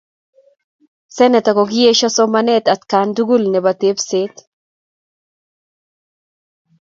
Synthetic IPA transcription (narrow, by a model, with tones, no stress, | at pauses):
sɛ˦nɛ˨t̪a˨koɡi˦je˦ʃɔsɔ˦manɛ˦t̪a˨t̪kand̪u˦ɡu˦lnɛ˨bat̪e˦pset̪